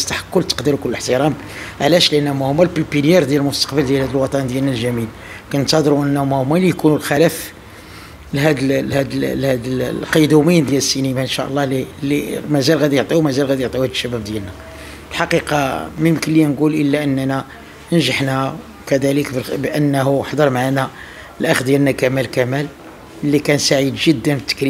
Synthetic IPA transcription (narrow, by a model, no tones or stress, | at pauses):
t̪ːaħḁqːʊlt̪ːə̥qd̪iɾukʊləːəħt̪əɾˤɑm | ʕlæʃliʔənːæmæhʊmːælpipinjæɾd̪jæləlmʊst̪ɑ̥qbəld̪jælhæd̪əlwɑt̪ˤɑnd̪jælnælʒæmil | kænt̪ɑd̪ɾuʔənːæmæhʊmːælijkunulxælæf | lɦæd̪əlhæd̪llhæd̪lqɑd̪umijnd̪jæləsːinimæʔənʃæʔlˤːɑlilimæzælɣæd̪ijoʕt̪ˤiuwmæzælɣæd̪ijoʕt̪ˤihæd̪ʃːæbæb̚d̪jælnæ | əlħɑqiqɑmənməklijænɡulʔəlːæʔənːænæ | nʒəħnæ | kæd̪æləkbəlbʔənːɦuħd̪əɾˤmaʕanæ | əlʔæxd̪jælnækæmælkæmæl | lːikænsaʕid̪ʒəd̪ːənbət̪ːə̥kɾi